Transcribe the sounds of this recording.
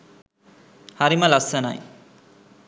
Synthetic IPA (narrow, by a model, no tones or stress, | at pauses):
hɐɾimɐlɐsɐna̰j